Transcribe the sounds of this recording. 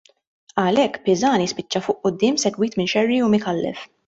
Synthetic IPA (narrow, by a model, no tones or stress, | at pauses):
ɐlɛkːpɪzɐːnispɪt͡ʃːɐfʊːʔʔʊd̪ːɪːmsɛɡwiːt̪mɪnʃɛrːiumɪkɐlːɛ̰f